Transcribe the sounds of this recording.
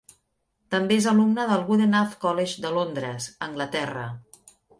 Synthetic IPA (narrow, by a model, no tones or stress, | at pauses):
t̪əmbeezəlumnəðəlˠɣuðenafkɔleʒd̪əlond̪ɾəzəŋɡlət̪ɛrə̰